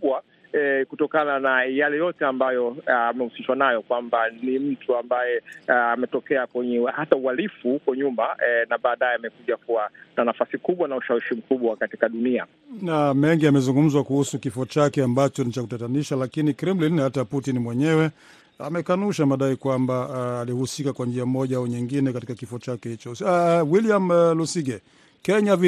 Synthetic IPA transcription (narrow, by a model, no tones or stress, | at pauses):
uɓwa | ɛkutɔkananajalɛjɔtɛambajɔamɛusiʃwanajɔkwambanim̩tʰuambajɛamɛtɔkɛakwɛɲɛhataualifukwaɲumanaɓaːɗajɛamɛkuʄakuwananafasikuɓwanauʃawiʃim̩kuɓwakatikaɗunia̰ | namɛŋɡiamɛzuŋɡum̩zwakuhusukifɔt͡ʃakɛambat͡ʃɔnit͡ʃakutataniʃalakinikɾimlinhataputinimwɛɲɛwɛ | a̰mɛkanuʃamaɗaikwambaːlihusikakwand͡ʒiamɔʄaauɲiŋɡinɛkati̥kakifɔt͡ʃakɛhit͡ʃɔwiliamlusiɡɛ | kɛɲavi